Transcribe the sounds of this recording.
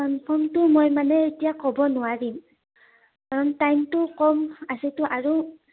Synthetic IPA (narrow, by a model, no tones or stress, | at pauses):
anpʰɔmtʊmojmanɛetijakɔbɔnʊwaɹim | kaɹɔntajmtʊkɔmasɛtʊʔaɹu